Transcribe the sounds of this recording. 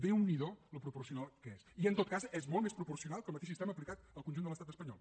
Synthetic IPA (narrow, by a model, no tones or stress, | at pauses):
beuniðoləpɾupuɾsiunalˠkesiənt̪ot̪̚kazɛzmɔlˠmespɾupursiunalˠkəlˠmət̪eʃs̬ist̪ɛməːplikat̪əlˠkunʒund̪ələst̪at̪əspəɲɔ̰lˠ